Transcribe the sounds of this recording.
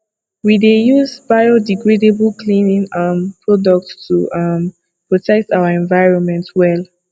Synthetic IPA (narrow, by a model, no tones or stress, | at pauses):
widejuzbajodiɡɹedebəlkʰlĩnĩŋãnpʰɹɔdɔk̚tstʰuʔʌm | pɹɔtʰɛk̚taʊəɛ̃nvajɹɔ̃nmɛ̃ntwɛl